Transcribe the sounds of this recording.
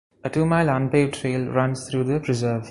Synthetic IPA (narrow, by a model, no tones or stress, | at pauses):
əʈuːmaɪlʌ̃npeːʋʈʰɾeːlɾʌ̃nst̪ʰɾuːd̪əpɾɪzəːʋ